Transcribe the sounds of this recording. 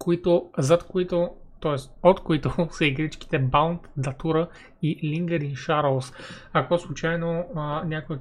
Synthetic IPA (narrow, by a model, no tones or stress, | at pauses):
koit̪ʊzɐt̪koit̪ot̪ɔɛst̪ot̪koit̪ʊsəiɡɾit͡ʃki̥t̪ɛbawnt̪d̪ɐt̪uɾə | iliŋɡəɾinʃaɾlˠs | ɐkɔslˠʊt͡ʃajnonʲakoə